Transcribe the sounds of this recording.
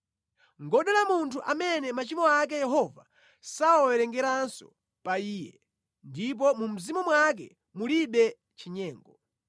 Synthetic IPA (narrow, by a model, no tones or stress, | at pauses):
ŋɡɔɗɛlamuntʰuʔamɛnɛmat͡ʃimɔak̬ɛjɛɦɔva̰ | saɔwɛɾɛŋɡɛɾansɔ̰ | paiːjɛ̰ | ndip̬ɔmum̩zimumwak̬ɛ̰ | muliɓɛ | t͡ʃʰiɲɛːŋɡɔ